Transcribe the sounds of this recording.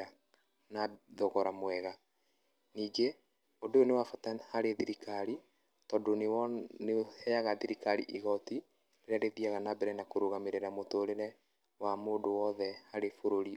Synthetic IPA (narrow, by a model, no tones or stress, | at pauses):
a | naðoɣɔɾamwɛɣa | niːɡe | odoonewafatahaɾeðiɾikaɾi | tɔdonenehɛjaɣaðiɾikaɾḭʔiɣɔti | eɾaɾeðiaɣanabɛɾɛnakoɾoɣameɾeɾamotoːɾeɾɛ | wamoːndowɔðɛhaɾefoɾoɾi